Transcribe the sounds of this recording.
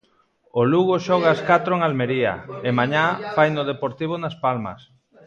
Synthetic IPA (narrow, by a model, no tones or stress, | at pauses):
oluɣoʃɔɣaaskat̪ɾoeŋalmeɾiɐ̰emaɲafajnʊð̞epoɾt̪iβ̞onaspalmɐ̰s